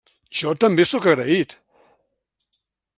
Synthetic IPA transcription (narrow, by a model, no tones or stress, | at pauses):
ʃɔt̪əmbesɔkəɣɾəit̪